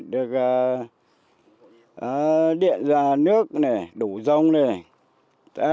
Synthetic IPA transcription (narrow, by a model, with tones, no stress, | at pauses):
ɗɨ˨˩ək̚aː˨˩ | ʔaː˨˩ɗḭ˧˨ənzaː˨˩nɨ˦˥ək̚ne˨˩ɗu˧˩zə˧wŋ͡mne˨˩ | t̪a̰˧˦